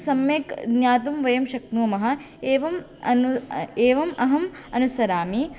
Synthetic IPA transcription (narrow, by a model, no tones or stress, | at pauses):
sɐmeːkɡnaːt̪̬umʋɐjɐmʃɐk̪̚nuːmɐɦɐ̆ | eːʋɐm | ɐneːʋɐmɐɦɐm | ɐnusɐɾaːmi